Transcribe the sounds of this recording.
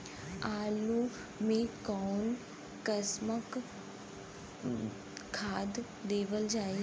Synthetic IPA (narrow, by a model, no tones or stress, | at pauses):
aːlu | mẽkɔːn | kəsmək | kʰːaːd̪ | d̪eːʋəld͡ʒaːi